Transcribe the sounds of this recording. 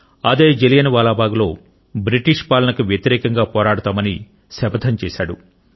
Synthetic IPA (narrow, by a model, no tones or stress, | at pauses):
ɐd̪eːd͡ʒelijɐnʋaːlaːbaːɡulo̞ː | bɾiʈiʂpaːlɐnɐkuʋjɐt̪iɾɛːkɐŋɡaːpɔːɾaːɽut̪aːmɐni | sɛbɐd̪ʰʱɐɲt͡ʃɛːʃaːɽu